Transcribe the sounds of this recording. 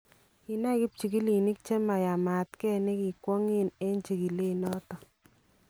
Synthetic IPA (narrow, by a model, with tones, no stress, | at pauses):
i˨na˦ki˦p̚t͡ʃi˨ki˦li˨ni˦k̚t͡ʃe˦ma˨ja˨ma˨tkɛ˦ne˦ki˨kwɔ˦ŋi˦ne˦nt͡ʃi˨ki˨le˦˨nɔ˦tɔ˨